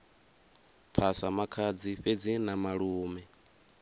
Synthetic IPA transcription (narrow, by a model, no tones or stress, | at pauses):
pʰasamakʰad͡ziɸed͡zinamaɺuːmɛ